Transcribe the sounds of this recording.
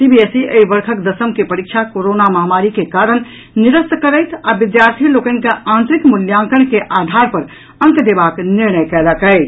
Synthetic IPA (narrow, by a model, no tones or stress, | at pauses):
sibiesiəibəɾkʰəkd̪əsəmkepəɾik̚t͡ʃʰakoɾonaməɦamaɾikekaɾən | niɾəst̪kəɾəɪt̪abid̪jaɾt̪ʰilokə̃nkeãnt̪ɾikmuljãŋkəɳkeʔad̪ʱaɾpəɾ | ə̃ŋkd̪ebakniɾnəjkɛləkəɪ